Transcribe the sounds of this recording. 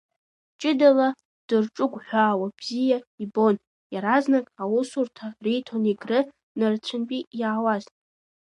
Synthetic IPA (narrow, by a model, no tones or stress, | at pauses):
t͡ʃʼɪdala | d̥ɨrʈ͡ʂʼʊɡʷħʷaːwab̥zijaibo̞n | jaɾaznakʼawʊsurtʰarijtʰoniɡrɨ | nɨrt͡ɕʷʰɨnpʼijaːwazn